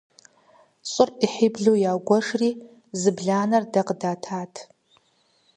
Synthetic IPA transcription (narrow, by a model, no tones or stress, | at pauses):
ɕʼʊriħibɮujaːɡʷɔʂriː | zɨbɮaːnɐrdɐqədaːtʰaːtʰ